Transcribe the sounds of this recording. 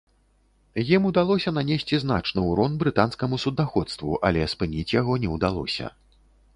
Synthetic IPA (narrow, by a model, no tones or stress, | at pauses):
jimud̪alˠɔsʲɐnanʲesʲt͡sʲiznat͡ʂnɨwɾɔnbɾɨt̪an̪skɐmusud̪axɔt̪st̪vṵʔa̰lʲɛspɨnʲit͡sʲjaɣɔnʲɛwd̪alˠɔ̰sʲɐ̰